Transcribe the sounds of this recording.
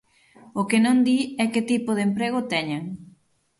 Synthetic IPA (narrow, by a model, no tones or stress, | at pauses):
okenõnd̪iɛket̪ipʊðempɾeɣ̞ot̪ɛɲaŋ